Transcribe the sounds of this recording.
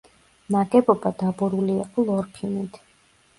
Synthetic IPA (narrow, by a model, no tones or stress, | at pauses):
maɡɛbɔbad̪abuɾuliːqʼɔlˠɔɾpʰilˠmit̪ʰ